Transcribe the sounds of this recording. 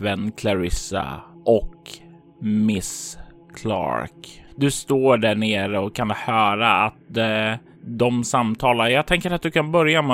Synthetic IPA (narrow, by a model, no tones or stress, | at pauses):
vɛnkʰlaɾɪsa̰ʔɔk | mɪs | kʰlɑ̰ːɾkd̪ɵst̪oːɖæɳeːɾəɔkʰːanhœːɾaat̪̚ | d̪ɔmsamt̪ʰɑːlajɑːɡ̚t̪ʰɛŋkəɾat̪̚d̪ɵkʰanbœɾjamɛ